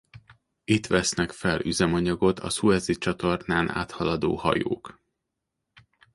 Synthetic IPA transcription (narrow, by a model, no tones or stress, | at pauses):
it̪ʋɛsnɛkfɛlyzɛmɒɲɒɡo̞t̪ʰɒ̰suɛzit͡ʃɒt̪o̞rnaːnʔa̰ːt̪hɒlɒd̪o̰ːhɒ̰jo̰ːk